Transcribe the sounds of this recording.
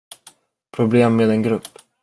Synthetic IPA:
pʰɾʊbleːmːeːd̪ɛnɡɾɵpː

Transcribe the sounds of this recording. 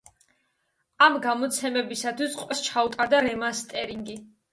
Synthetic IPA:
amɡamɔt̪sʰɛmɛbisat̪ʰwisqʼwɛst͡ʃʰaut̪ʼaɾd̪aɾɛmanst̪ʼɛɾiŋɡi

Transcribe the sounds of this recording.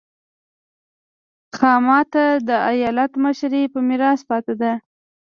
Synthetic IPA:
xɑmɑt̪ad̪əajɑlat̪məʃɾepəmɪɾɑspɑt̪ad̪a

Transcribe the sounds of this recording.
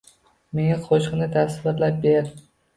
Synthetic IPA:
me̞ŋaqʰoʃqmnɪt̪ʰasɪvɪɾlap̚beɾ

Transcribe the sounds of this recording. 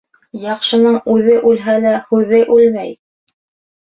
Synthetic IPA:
jɑqʃɤ̆nɤɴʉðɘʔʉlɦælæhʉðɘʔʉlmæj

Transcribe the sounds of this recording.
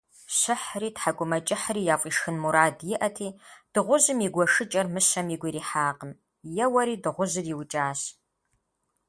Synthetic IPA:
ɕɨħriːtħakʷʼʊmɐt͡ʃʼɪħriːjaːfʼiːʃxɨnmuɾaːdjɪʔɐtʰiːd̥ɨʁʷʊʑɨmiɡʷɔʂɨt͡ʃʼɐrmɨɕɐmiɡʷiɾiːħaːqəm | jɛwɐɾiːdɨʁʷʊzɨrjiwt͡ʃʼaːɕ

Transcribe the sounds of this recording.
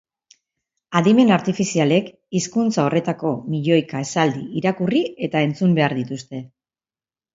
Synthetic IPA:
aðime̞naɾt̪ifisiale̞k | iskunt͡sao̞re̞t̪ako̞miʎo̞jkae̞sald̪ḭiɾakurie̞t̪ae̞nt͡sumbe̞aɾðit̪ust̪e̞

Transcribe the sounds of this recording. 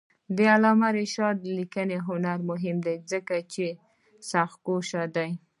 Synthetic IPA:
d̪əalɑmaɾeʃɑd̪likəneɦʊnaɾmʊɦɪmd̪ajzəkat͡ʃe | saxkoʃad̪aj

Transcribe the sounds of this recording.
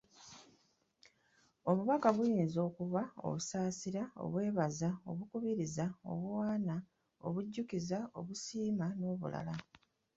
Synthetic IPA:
o̞βuβakaβujiːnzo̞ːkuβao̞̰βusaːsiɾao̰βwe̞ːβazao̞̰βukuβiɾizao̞̰βwaːna | oβuɟːukizao̞βusiːmano̞ːβṵla̰la

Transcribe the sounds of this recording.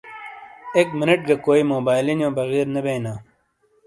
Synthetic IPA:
eːkmɪnɐʈ̚ɡɐkoːimoːbaːjlinjõːbɐɣiːɾnɐbeːnaː

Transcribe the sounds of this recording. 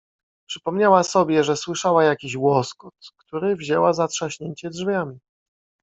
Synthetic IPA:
pʂɘ̥pɔmɲawasɔbʲjɛʐɛswɘʂawajakʲiɕwɔskɔt̪kt̪uɾɘvʑɛwazatʂaɕɲeɲt͡ɕɛdʐvʲjamʲi

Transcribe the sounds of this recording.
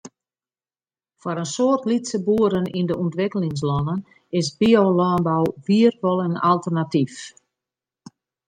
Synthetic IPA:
fɔɾənsoərtlitsəbuəɾənindəuntʋɪkəlɪŋs̬lɔnən | ɪsbiolɔːnbawʋiərfɔlˠəna̰lˠtərnatif

